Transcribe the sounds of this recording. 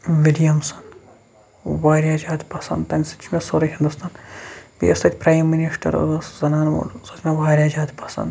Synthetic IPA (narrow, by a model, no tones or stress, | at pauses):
ʋilijɐmsɐn | ʋaːɾʲjaːd͡ʒaːt̪ʲpɐsɐ̰nd̪t̪ɐnʲsɐ̥t͡ʃʰimʲesoɾɐɦind̪ust̪ʰaːnpḭest̪ɐt̪ʲpɾaːjmːiniʂʈʰɐ̰ɾ̰szɐnaːno̰ɾsɐt̪ʰʲmʲeʋaːɾʲjaːd͡ʒaːt̪pɐsɐ̰nd̪